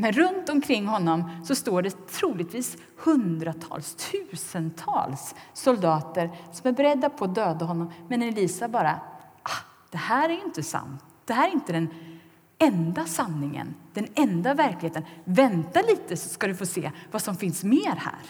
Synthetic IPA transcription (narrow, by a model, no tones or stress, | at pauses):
mɛnɾɵnt̪ɔmkʰɾɪŋːɦɔnːɔmsɔst̪oːɖɛt̪ʰɾuːlɪɡt̪viːs | hɵnd̪ɾat̪ʰɑ̰ːlst̪ʰʉ̟ːsənt̪ʰɑ̰ːlsːɔld̪ɑːt̪əɾsɔmæɾbɛɾɛd̪ːapʰɔːd̪øːd̪aɦɔnːɔmmɛnɛliːsabɑːɾaʔa | d̪̥ɛhæːɾæɾjɪnt̪əsa̰mt̪ | d̪̥ɛɦæːɾɾɪnt̪əd̪ɛn | ɛnd̪asanːɪŋə̰nd̪̥ɛnɛnd̪avæɾklɪheːt̪ənvɛnt̪aliːt̪əsɔ̥skad̪ɵfoːsḛːvasɔmfɪnsmeːɾhæ̰ːɾ